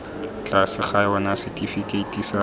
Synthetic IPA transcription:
t͡ɬʼasɪχaɪɔnasɪtifitʼeitʼisa

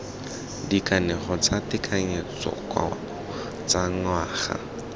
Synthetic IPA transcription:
dikʼaneχɔt͡satɪkʰʼaɲet͡sʼɔ̰kwa̰ | t͡sʼaŋ̩waːχa̰

